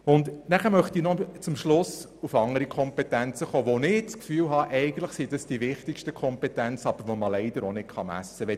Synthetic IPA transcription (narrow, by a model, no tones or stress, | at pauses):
ʊnd̪næχəɾmœχt̪inɔt͡sʊmʃlʊs | ufɑŋəɾikʰɔmpɛtænt͡səχoːʋonɪt͡skfyːlɦɑʔɛɪɡən̩tləχsid̥ɑsd̥iʋɪχtɪkʃtəkʰɔmpɛtænt͡sɑb̥əɾʋoməlɛɪd̥̪əɾonɪtkχɑmæ̰sːəʋɛ